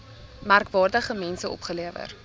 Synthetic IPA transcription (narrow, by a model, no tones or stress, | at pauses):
mærkvɑːrdəχəmɛnsəɔ̰pχəliəvə̰r